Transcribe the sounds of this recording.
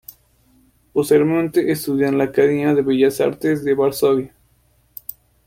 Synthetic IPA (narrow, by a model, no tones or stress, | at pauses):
post̪eβɾemẽnt̪eʔest̪uðjanlakaðinaðeβeʝasa̰ɾt̪ezd̪eβaɾsoβja